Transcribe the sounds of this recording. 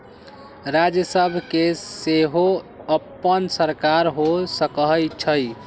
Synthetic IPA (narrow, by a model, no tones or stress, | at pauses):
ɾad͡ʒjəsəbʱkeseɦoəpːənsəɾkaɾɦosəkəɦjt͡ʃʰəj